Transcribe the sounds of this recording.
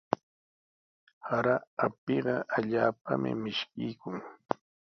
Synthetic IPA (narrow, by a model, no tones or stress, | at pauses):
haɾaapɪɢɑʔaʎaːpamɪ̰mɪʃkɪjkʊŋ